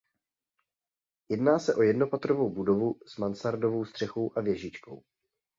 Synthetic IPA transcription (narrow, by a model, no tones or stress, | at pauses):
jɛdnaːsɛʔo̞jɛdno̞pat̪ɾovo̞wbudo̞vuz̥mansaɾdo̞vo̞wst̪r̝̥ɛxowʔavjɛʒɪt͡ʃko̞̰w